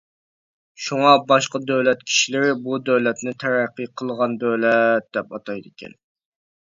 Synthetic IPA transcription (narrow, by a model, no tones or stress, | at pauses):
ʃuŋɑbɑʃqɑd̪øwlɛt̪̚kʲʰi̥ʃilɪɾɪbud̪øwlɛt̪nɪt̪ʰæɾæqːiqʰəlˠʁɑnd̪øwlɛt̪̚d̪̥ɛpɑt̪ʰɑjd̪ɪkʲʰɛ̰n